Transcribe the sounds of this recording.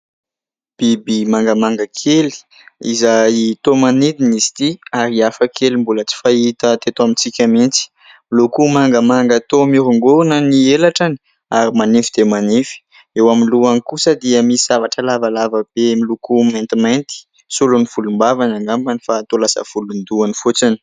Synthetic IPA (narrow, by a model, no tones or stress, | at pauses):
b̥ibimaŋɡəmaŋɡəkʰeli̥ | izajt̪omanid̪inisi̥t̪iaɾiafəkʰelimbulət͡si̥fait̪ət̪et̪oamit͡sikʲamint͡si̥ | milukumaŋɡəmaŋɡat̪omiɾuŋɡuunənielaʈ͡ʂani̥ | aɾimanefid̪̥emanefi̥ | ewaminluanikusəd̪iəmisavaʈ͡ʂəlavalavəb̥emilukumajnt̪imant̪i̥ | sulunifulumbavanaŋɡambanifat̪olasə̰fulund̪uanifut͡sani̥